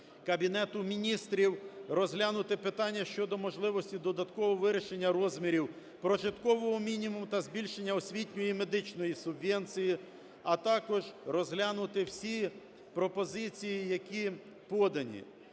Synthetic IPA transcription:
kɐbʲinɛt̪ʊmʲinʲist̪ɾʲiwɾɔzɦlʲanʊt̪ɪpɪt̪ɑnʲːɐʃt͡ʃɔd̪ɔmɔʒlˠɪʋɔsʲtʲid̪ɔd̪ɐt̪kɔʋɔʋɪɾʲɪʃe̞nʲːɐɾɔzʲmʲiɾʲiw | pɾɔʒɪt̪kɔʋɔɦɔmʲinʲimumʊt̪ɐzʲbʲilʲʃenʲːɐɔsʲʋʲitʲnʲʊjime̞d̪ɪt͡ʃnɔjisʊbʋʲɛnt͡sʲiji | ɐt̪ɑkɔʒɾɔzɦlʲanʊt̪ɪwsʲi | pɾɔpɔzɪt͡sʲijijɐkʲi | pɔd̪ɐnʲḭ

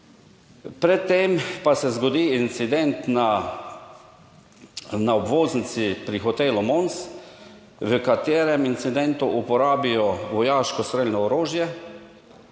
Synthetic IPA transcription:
pɾɛt̪ːeːmpasɛzɡɔd̪iːint̪sid̪ɛnt̪na | naobʋoːznit̪sipɾixɔt̪elɔmons | ʋəkat̪eːɾɛmint̪sid̪ɛnt̪uʔupɔɾaːbijɔʋɔjaːʃkɔsɾelnɔːɾoːʒjɛ

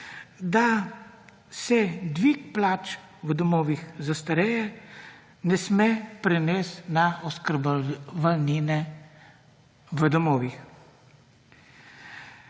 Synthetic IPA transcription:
d̪a | sɛd̪ʋikplaːt͡ʃ | ʋəd̪ɔmoːʋixzast̪aɾɛjɛ | nɛsmɛpɾɛnɛːst̪naɔskəɾbbalninɛ | ʋəd̪ɔmoːʋix

